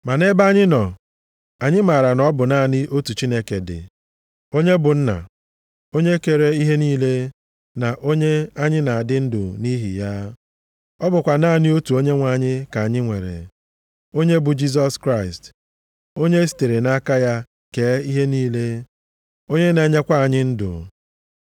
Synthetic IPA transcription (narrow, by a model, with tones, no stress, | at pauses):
ma˨ne˦ba˦ɲɪ˦nɔ˨ | a˨ɲɪ˦ma˨ɾa˨nɔ˦bʊ˨na˦˨nɪ˦ʔo˦tu˨t͡ʃi˦ne˦ke˨dɪ̰˨ | o˦ɲe˦bʊ˨n̩˦na̰˨ | o˦ɲe˦ke˨ɾe˨i˦ɦe˦niː˦le˦ | na˨ʔo˦ɲe˦a˦ɲɪ˦na˨a˨dɪ˦n̩˦dʊ̰˨ni˦ɦḭ˨ja˦ | ɔ˦bʊ˨kʷa˨naː˦˨nɪ˦o˦tu˨o˦ɲe˦ŋʷa˨ɲɪ˦ka˨a˨ɲɪ˦ŋʷe˨ɾḛ˨ | o˦ɲe˦bʊ˨d͡ʒi˦s̬ɔ˦skɾa˦ɪ˨st | o˦ɲe˦s̬i̥˨te˨ɾe˨na˦ka˦ja˦ | keː˨˦i˦ɦe˦niː˦le˦ | o˦ɲe˦ne˨˦ɲe˦kʷa˦a˨ɲɪ˦n̩˦dʊ̰˨